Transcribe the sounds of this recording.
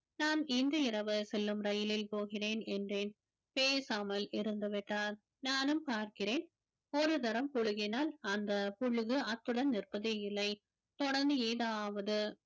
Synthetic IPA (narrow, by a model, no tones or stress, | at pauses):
naːnɪnd̪ɯɪɾɐʋɐsɛlːɯmɾɐjɪlɪlpoːɣɪreːnɛndreːn | peːsaːmɐlɪɾɯnd̪ɐʋɪʈːaːn | naːnɯmpaːɾkɪreːn | ɔɾɯt̪ɐɾɐmpʊɻʊɣɪnaːlɐnd̪ɐpʊɻɯɣɯɐt̪ːɯɽɐnnɪrpɐðeːjɪlːɐɪ | t̪ɔɽɐɾnd̪ɯeːðaːʋɐðɯ